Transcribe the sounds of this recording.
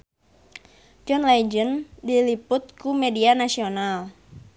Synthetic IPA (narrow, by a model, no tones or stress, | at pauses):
d͡ʒɔnlad͡ʒəndilipʊt̪̚kumedianasional